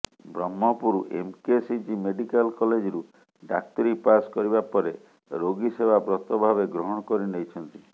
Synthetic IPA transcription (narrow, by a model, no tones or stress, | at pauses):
bɾɔmːɔpuɾuʔḛmkesid͡ʒimeɖikalkɔled͡ʒɾu | ɖak̚t̪ɔɾipaskɔɾibapɔɾe | ɾoɡisebabɾɔt̪ɔbʱabeɡɾɔɦɔɽ̃ɔkɔɾinejt͡ʃʰɔnt̪i